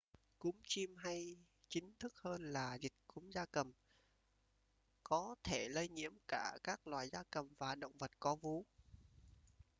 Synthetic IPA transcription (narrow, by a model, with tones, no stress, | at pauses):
ku˨˦mt͡ɕi˧mɦa˧j | t͡ɕï˨˦ŋ̟t̪ʰɨ˦˥k̚həː˧nlaː˨˩zï˨˩k̚ku˨˦mzaː˧kə˨˩m | kɔ˨˦t̪ʰe˧˩lə˧jɲḭ˧˥əmkaː˧˩kaː˦˥k̚lwaː˨˩jzaː˧kə˨˩mvaː˨˩ɗə̰˧˨wŋ͡mvə˨˩t̚kɔ˨˦vu˨˦